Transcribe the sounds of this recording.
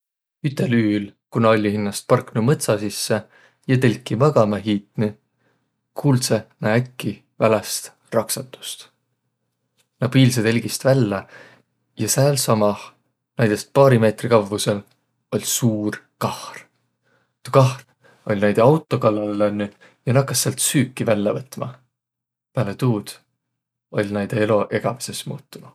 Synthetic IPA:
yt̪ːˑe̞lyːlkunɑolʲːihinːɑst̪̚pɑrknumɤt̪sɑsisːe | jɑt̪elʲkːˑimɑɡ̥ɑmeɦiːt̪ˑni | kʰuːlt̪senɑækːi | vælest̪ | rɑksɑt̪ːˑu̥st̪ | nɑpiːls̬ed̪elʲɡ̥ist̪vælːɑ | jɑsæːlsɑmɑh | næjd̪̥e̞st̪̚pɑːɾime̞ːt̪rikɑvvuse̞l | o̞lʲsuːr | kɑhr | t̪ukɑhr | o̞̰lʲnæjd̪eɑwt̪ˑːo̞kɑlːɑlɑnʲːy | jɑnɑkːˑɑsːeɑlt̪syːkːˑivælʲːɑvɤt̪ːˑmɑ̰ | pæːlet̪uːd̪̥ | o̞lʲnæjd̪̥eelo̞ʔe̞ɡ̥ɑvi̥se̞smṵːt̪ːunu

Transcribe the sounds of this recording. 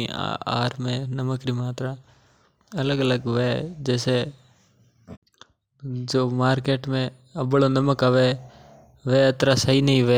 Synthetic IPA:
a̰ːɾmẽːnəməkɾiːmaːt̪ɾaː | ələɡələɡʋeːd͡ʒɛːseː | d͡ʒoːmaːɾkeːʈmẽː | əbɭoːnəməkaʋeː | ʋeːət̪ɾaːsəɦiːnəɦĩʋeː

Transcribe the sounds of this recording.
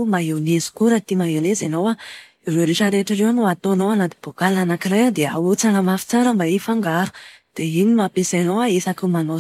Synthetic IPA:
maɦewnezu̥kuɾət̪imaɦelezenowa | iɾeɾeʃəɾeʈ͡ʂəɾewanoat̪onowanat̪i̥b̥okalanakiɾejad̪eaɦut͡sanəmafi̥t͡saɾəmbaifaŋɡaɾu̥d̪̥einimapesanowaesakumano

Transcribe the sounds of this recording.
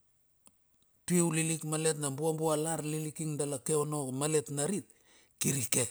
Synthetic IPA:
piwlilikmale̞tnambuambualaɾlilikiŋdalake̞ono̞male̞tnaɾit̚ | kiɾike̞

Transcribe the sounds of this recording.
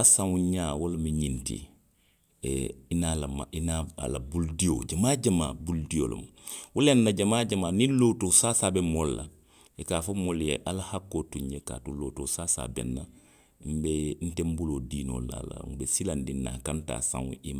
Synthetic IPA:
asãŋũɲaːwolmiɲintḭ | inalamainaa̰la̰buldijo̰d͡ʒamaːɟamabuldijo̰lo̰ma | wulenːaɟamaːɟamaːnĩnloːtosaːsabɛmolla̰ | ikaːfomoljḛʔalahakːoːtuɲjeka̰ːtuloːtoːsaːsa̰ːbɛ̰nːa | m̩ben̩tembuloːdiːno̰la̰la̰ŋbesilandinːa̰kanta̰ːsã̰ŋṵ̃ʔima

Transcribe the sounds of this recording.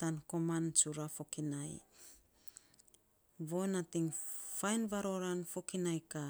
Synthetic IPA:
tanko̞mant͡ʃuɾafo̞kinaj | βo̞natiŋfajnvaɾo̞ɾanfokinajka

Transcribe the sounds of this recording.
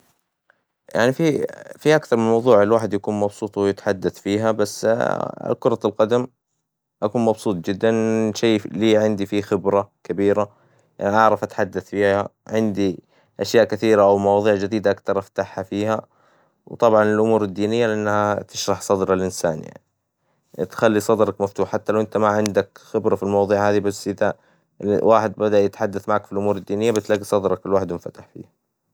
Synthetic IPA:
ja̰ʕnififiʔakθɑɾˤmɪnmɑwðˤuːʕɪlwaːħɪd̪jakuːnmɑbsˤuːt̪ˤwɪjɪt̪ħad̪ːaθfiːɦabasːa̰kʊɾˤɑlqɑd̪am | ʔakuːnmɑbsˤuːt̪̚ˤd͡ʒɪd̪ːanʃeːliːʕɪnd̪ifixɪbɾakabiːɾa | ʔanʔɑʕɾˤɑfʔat̪ħad̪ːaθfiːhaʕɪnd̪i | ʔaʃjaːʔkɪθiːɾaʔawmɑwɑːðˤiːʕd͡ʒɪd̪iːd̪aʔakθɑɾˤʔaft̪aħhafiːha | wt̪ˤɑbʕɑnɪlʔʊmuːɾɪd̪ːiːnɪjːalɪʔanːhat̪ɪʃɾˤɑħsˤɑd̪ɾˤɑlʔɪnsaːnja̰ʕni | t̪xalːisˤɑd̪ɾˤɑkmaft̪uːħħat̪ːalawʔɪnt̪amaʕɪnd̪akxɪbɾɑfilmɑwɑðˤiːʕhaːðibasːʔɪða | waːħɪd̪̚bad̪aʔjɪt̪ħad̪ːaθmaʕaːkfilʔʊmuːɾɪd̪ːiːnɪjːabaslaɡisˤɑd̪ɾˤɑkɪlwaːħɪd̪wɪnfat̪aħfḭːhḁ

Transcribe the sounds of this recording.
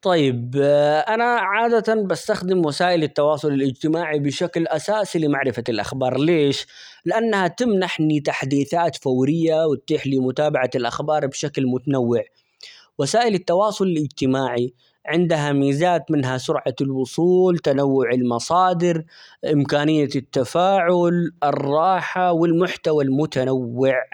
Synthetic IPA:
t̪ˤɑjːɪbʔanaʕaːd̪at̪anbast̪axd̪ɪmwasaːʔɪlɪt̪ːɑwɑːsˤʊlɪlʔɪd͡ʒt̪ɪmaːʕibɪʃaklʔasaːsilɪmaʕɾɪfalʔa̰xbɑːɾˤleːʃ | lɪʔanːahat̪ɪmnaħnit̪aħd̪iːθaːt̪fawɾɪjːawɪt̪̚ːiːħlimʊt̪aːbaʕaɪlʔa̰xbɑːɾˤbʃaklmʊt̪anawːɪʕ | wasaːʔɪlɪt̪ːɑwɑːsˤʊlɪlʔɪd͡ʒt̪ɪmaːʕi | ʕɪnd̪aɦamiːzaːt̪mɪnɦasʊɾʕalwʊsˤuːlt̪anawːʊʕɪlmɑsˤɑːd̪ɪɾʔɪmkaːnɪjːat̪ːafaːʕʊlʔɪrˤːɑːħawɪlmʊħt̪awalmʊt̪anawːɪʕ

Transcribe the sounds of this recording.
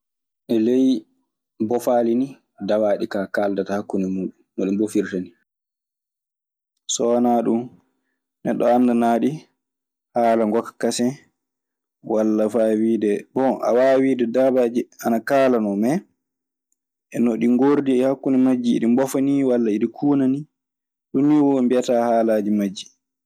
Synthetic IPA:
ʔɛlej | bɔfaːlini | dawaːɗikakaldatahakːunɛmuːɗummaɗumbofiɾtani | sɔwanaɗum | nɛɗːɔanːdanaːɗi | haːlaŋɡɔkḁkːasɛ | walːafawiːdɛbɔʔa̰wawiːdɛdabad͡ʒianakaːlanɔmɛ | ʔɛnɔɗiŋɡoɾdiɛhakːunɛmad͡ʒːḭːɗimbɔfaniwalːaiɗikʰuːnani | ɗunːiwɔmbiataːhaːlad͡ʒimad͡ʒːi

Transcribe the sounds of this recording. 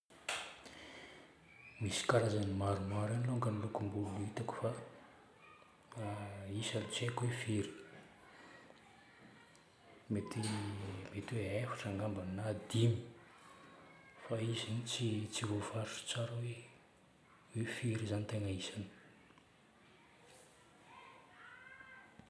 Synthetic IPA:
misi̥kaɾazanimaɾumaɾaniloŋɡanilukumbuluit̪aku̥fa | isanit͡sekwefiɾi̥ | met̪emet̪weefḁʈ͡ʂaŋɡambannad̪imi̥ | faizinit͡sit͡sivovaɾuʈ͡ʂə̥t͡saɾawe | wefiɾizanit̪eŋəisani̥

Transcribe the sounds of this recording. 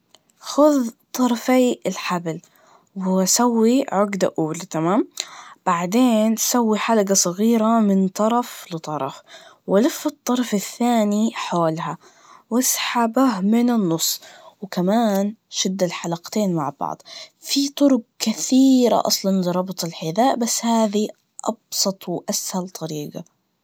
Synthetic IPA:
xʊðt̪ˤːɑɾˤɑfajɪlħabl | wɪsawːiʕʊɡd̪a̰ʔuːlat̪amaːmb̥aʕd̪eːnsawːiħalaɡasˤɨɣiːɾamɪnt̪ˤɑɾˤɑflɨt̪ˤɑɾˤɑfwɪlɪfːɪt̪ˤːɑɾˤɑfɪθːaːniħoːlɦa | wɪsħabahmɪnɪnːʊsˤːwkamaːnʃɪd̪ːalħalaqt̪eːnmaʕbɑ̰ʕd̪ˤfit̪ˤʊɾʊq̚kɪθiːɾa̰ʔɑ̰sˤlɑnɾˤɑbt̪ˤɪlħɪðaːʔbasːhaːði | ʔɑ̰bsˤɑt̪ˤwɪʔashalt̪ˤʰɑɾiːɡa̰

